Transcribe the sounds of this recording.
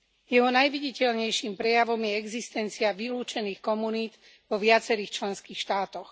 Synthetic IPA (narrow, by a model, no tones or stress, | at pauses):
jɛɦɔnajʋiɟicɛʎɲɛjʃimpɾɛjaʋɔmjɛɛɡzist̪ɛnt͡siaʋiluːt͡ʃɛniːxkɔmuniːt̪ | ʋɔʋɪat͡sɛɾiːxt͡ʃlɛnskiːxʃt̪aːt̪ɔx